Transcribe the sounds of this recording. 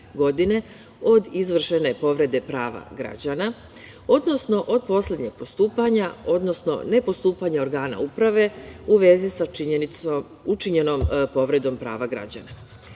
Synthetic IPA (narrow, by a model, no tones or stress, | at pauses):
ɡo̞d̪ine̞ | o̞d̪izʋr̩ʃe̞ne̞po̞ʋɾe̞d̪e̞pɾaːʋa̰ɡɾa̰d͡ʑana | o̞d̪no̞sno̞ʔo̞d̪̚po̞slʲe̞d̪ɲe̞ɡ̥̚post̪uːpaɲao̞d̪no̞sno̞̰ne̞po̞st̪uːpaɲeo̞ɾɡaːna̰upɾaʋe̞uʋe̞zisaiɲenit̪so | ut͡ʃiɲe̞no̞mpo̞ʋɾe̞d̪o̞mpɾa̰ːʋaɡɾa̰d͡ʑa̰na